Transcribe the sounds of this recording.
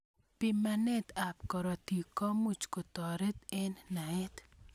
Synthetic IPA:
pimanet̪apkɔɾɔt̪ikɔmut͡ʃkot̪ɔɾet̪enːaet̪

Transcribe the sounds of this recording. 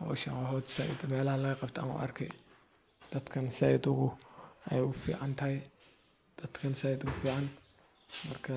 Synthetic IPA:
hɔ̰ːʃɐnwɑɦɔːd̪sɐʔɪ̰d̪mɛːlɐhɐlɐɣɐqɑbt̪ʰɐɐmʊ̰ʔɐ̰rkʰɛ̰ | d̪̥ɐd̪kʰɐnsɛjɪd̪ʊɣʊɛjʊfḭːʕɑnt̪ʰɐhɛj | d̪̥ɐd̪kʰɐnsɛjɪd̪ʊɣʊfiːʕɑn | mɐrkʰɐ

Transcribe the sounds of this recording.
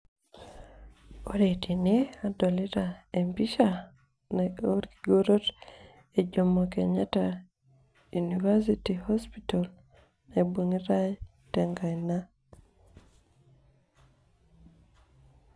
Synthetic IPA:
oɾetʰiniadɔliɾaempiʃa | nɛoɾɡiɡoɾot | ed͡ʒomokeɲata | junivasitihɔspitɔl | nebwoŋiɾaj | tɛŋɡajna

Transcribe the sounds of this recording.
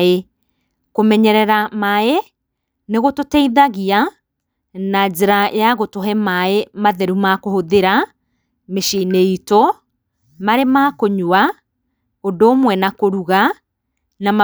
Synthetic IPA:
e | komɛɲɛɾɛɾamae | neɣototɛiðaɣia | nad͡ʑeɾaj̰aɣotɔɦɛmaemaðɛɾumakohoðeɾa | meʃineito | maɾemakoɲua | ondoːmwɛnakoɾuɣa | nam

